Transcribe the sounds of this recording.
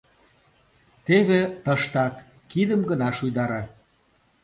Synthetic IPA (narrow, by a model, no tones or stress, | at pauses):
t̪eβet̪əʃt̪ɑkː | id̪əmɡə̆nɑʃujd̪ɑɾɑ